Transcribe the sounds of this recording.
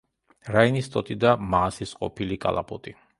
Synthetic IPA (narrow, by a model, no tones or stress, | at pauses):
ɾainist̪ʼɔt̪ʼid̪amaːsisqʼɔpʰilikʼa̰lˠa̰pʼɔt̪ʼi